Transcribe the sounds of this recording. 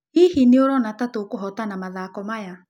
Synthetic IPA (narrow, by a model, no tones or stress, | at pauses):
ihineoɾɔnatatokoɦɔtanamaðaːkɔmaja